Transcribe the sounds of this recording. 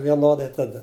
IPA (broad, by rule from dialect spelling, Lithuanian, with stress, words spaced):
ʋʲiɛˈnoːdɐɪ tɐˈdɐ